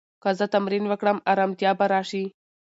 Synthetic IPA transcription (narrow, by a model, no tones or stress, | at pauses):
kɐzɐt̪ɐmɾiːnʋɐkɽɐmɐɾɐmt̪jaːbɐɾaːʂi